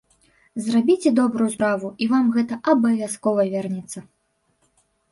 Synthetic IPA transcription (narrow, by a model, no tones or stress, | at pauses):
zrabʲit͡sʲɛd̪ɔbɾujuspɾavuivamɣɛt̪ɐʔɐbɐvʲaskɔvɐvʲɛrnʲɛt̪sːɐ